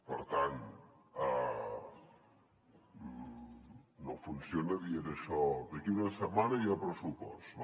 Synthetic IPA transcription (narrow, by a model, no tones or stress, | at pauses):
pəɾt̪an | a | nofunsjonəðieɾəʃɔðəkiunəsəmanɐiapɾəsupɔs